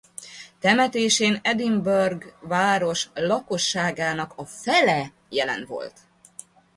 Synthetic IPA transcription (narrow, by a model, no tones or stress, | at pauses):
t̪ɛmɛt̪eːʃeːnɛd̪imbørɡvaːɾo̞ʃlɒko̞ʃːaːɡaːnɒkɒfɛlɛ | jɛlɛ̰nʋo̞̰lt̪